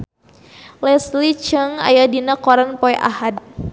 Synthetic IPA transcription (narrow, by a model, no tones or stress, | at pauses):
lɛslit͡ʃəŋa̰jadinakɔɾanpɔjʔa̰had̚